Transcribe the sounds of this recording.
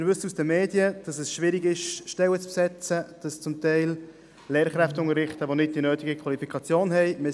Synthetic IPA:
ɪɾvʏsusd̥əmeːdjəd̥ɑsɛsʃvɪɾɪɡɪʃʃtɛwət͡spsɛt͡səd̥ɑst͡sʊmtɛɪl | leːɾχɾɛftʊŋəɾɪχtəʋonɪd̚d̥inøːtɪɡəkʰvɑlifikʰɑt͡sjoːnhɛɪmɪ

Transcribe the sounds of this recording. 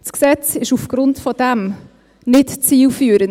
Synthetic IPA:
sksɛt͡sɪʃufɡ̥ɾʊntfɔd̥æm | nɪtt͡siːlfyːɾən

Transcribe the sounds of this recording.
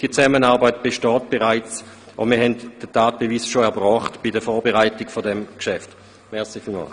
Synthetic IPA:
d̥iːɐt͡sɛmənaːɐbaɪtb̥eʃtɔːt̚b̥eʁaɪt͡s | ʔɔ̰miːɐɦɛntd̥ətʰaːt̚b̥evisʃoɛɐbʁɔːχtb̥idəfɔːɐbeʁaɪtɪɡfodɛmkʃɛft | mɛɐsifilma̰l

